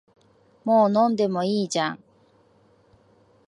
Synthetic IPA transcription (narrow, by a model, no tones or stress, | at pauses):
moːnõnd̪e̞moiːd͡ʑã̰ŋ